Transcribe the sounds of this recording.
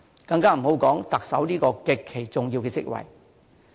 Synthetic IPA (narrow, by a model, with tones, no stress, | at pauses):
kɐ˧ŋkaː˥m̩˨˩ho˨˥wkɔː˨˥ŋt̪ɐ˨k̚sɐ˨˥wniː˥kɔː˧kɪ˨kʰːe˨˩jt͡sʊ˨ŋji˧wkɛː˧sɪ̰˥k̚wɐ̰˨˩j